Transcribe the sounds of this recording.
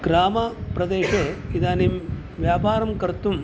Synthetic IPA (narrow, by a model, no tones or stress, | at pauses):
ɡ̥ɾaːmɐpɾɐd̪eːʂeid̪aːnem | ʋjaːpaːɾɐmkɐɾt̪um